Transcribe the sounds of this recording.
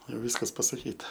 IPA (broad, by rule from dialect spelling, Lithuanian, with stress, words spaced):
jɛʊ ˈʋʲiːskɐs pɐsɐˈkʲiːtɐ